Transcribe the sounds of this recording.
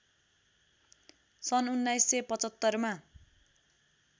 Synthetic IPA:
sʌnunːajsːepʌt͡sʌt̪ːʌrma

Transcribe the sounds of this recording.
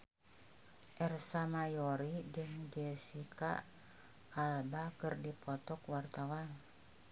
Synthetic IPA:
ʔɛrsamajɔɾid͡ʒəŋd͡ʒɛsika̰ | albakɨrdipɔt̪ɔkwart̪awan

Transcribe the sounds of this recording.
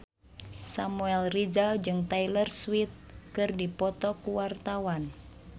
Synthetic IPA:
samuɛlrid͡ʒald͡ʒɨŋt̪ailərswit̪̚kɨrdipɔt̪ɔkuwart̪awan

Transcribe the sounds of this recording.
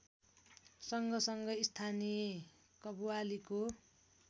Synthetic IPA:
sʌŋɡʌsʌŋɡʌist̪ʰanije | kʌbuwaliko

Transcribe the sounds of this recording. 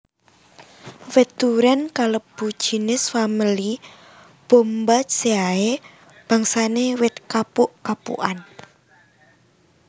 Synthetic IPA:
wet̪uɾɛnkaləb̥u̥ʒ̥i̤nɪsfamili | b̥ombaseae | b̥a̤ŋsanewɪt̪̚kapʊʔkapṵʔan

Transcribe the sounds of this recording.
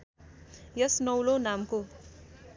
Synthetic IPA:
jʌsnʌwlonamko

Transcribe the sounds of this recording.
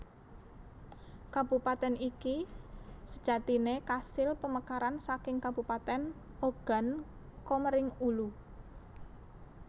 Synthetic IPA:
kab̥ṳpat̪ɛniki | sə̥d̥ʒ̥a̤t̪inekasɪlpəməkaɾansakɪŋkab̥ṳpat̪ɛn | oɡ̥a̤n | koməɾɪŋulu

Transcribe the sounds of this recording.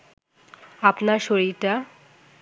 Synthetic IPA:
apnaɾʃoɾiɾʈa

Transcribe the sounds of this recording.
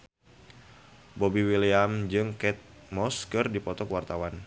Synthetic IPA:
bɔbiwiliamd͡ʒɨŋkɛt̪̚ | mɔskərdipɔt̪ɔkwart̪awan

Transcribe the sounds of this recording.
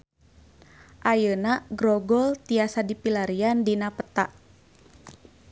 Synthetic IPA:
ʔajənaɡɾɔɡɔlt̪iasadipilaɾiandinapət̪aʔ

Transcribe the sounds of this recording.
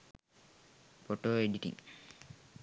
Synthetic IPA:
poʈoːeɖiʈḭ̃ŋ

